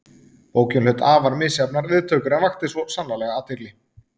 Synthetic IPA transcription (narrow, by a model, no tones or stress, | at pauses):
poːwcʏnʏt̪aːvaɾmɪðsjapnaɾvɪːðt̪ʰœːkʏɾɛnvaxt̪ɪsvɔsanlalɛɣaːt̪ʰɪɾlɪ